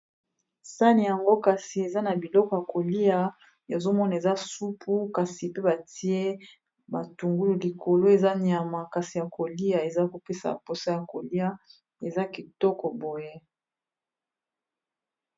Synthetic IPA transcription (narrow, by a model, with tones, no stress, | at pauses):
sa˦ni˨ja˨ŋɡo˦ka˨si˨e˨za˦na˨bi˨lɔ˦kɔ˨ja˨ko˨li˦a˨ | ja˨zo˦mɔ˦na˨e˨za˦su˦pʰu˦ka˨si˨pe˦ba˨ti˦e˦ | ba˨tu˨ŋɡu˦lu˨li˨kʰo˨lo˦e˨za˦ɲ˨a˨ma˨ka˨si˨ja˨ko˨li˦a˨e˨za˦ko˨pe˦sa̰˨po˨sa˦ja˨ko˨li˦a˦ | e˨za˦ki˨tɔ˦kɔ˨bo˨je˦